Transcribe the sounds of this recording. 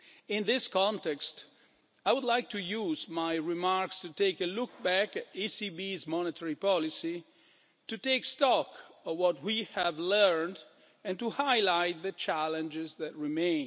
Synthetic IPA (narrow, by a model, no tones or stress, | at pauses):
ɪ̃nðɪskɔ̃ntɛkst | ajwʊd̪lajk̚tʰujuzmajɹimaɹkstuteɪkəlʊk̚bækisibizmɔnətʰəɹipɔlisi | tuteɪkstɔkɔvwɔt̚wiævlɜ˞nd | ɛ̃ntuhaɪlaɪt̪̚ðət͡ʃælə̃nd͡ʒɪzðæt̚ɹimẽɪ̃n